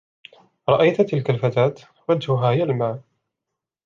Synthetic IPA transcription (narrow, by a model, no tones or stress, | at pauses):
ɾˤɑʔajt̪t̪ɪlkalfat̪aːt̪ | wad͡ʒhʊɦaːɪjalmaː